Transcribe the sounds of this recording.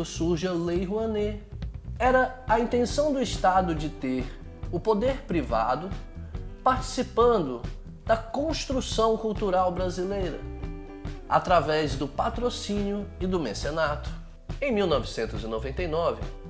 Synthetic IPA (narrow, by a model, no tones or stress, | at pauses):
ʊsuɾʒɐlejɦuɐ̃ne | ɛɾɐːĩnt̪ẽsɐ̃w̃d̪ʊist̪ad̪ʊd͡ʒɪt̪eɾ | ʊpod̪eɾpɾiva̰d̪ʊpaɾt͡ʃi̥sipɐ̃nd̪ʊ | d̪̥ɐkõst̪ɾusɐ̃w̃kuwt̪uɾawbɾazilejɾɐ̰ | a̰t̪ɾavɛzd̪ʊpat̪ɾosĩnjʊɪd̪ʊmḛ̃senat̪ʊ̥ | ẽj̃miwnɔvɪsẽnt̪ʊzinovẽnt̪ejnɔvɪ̰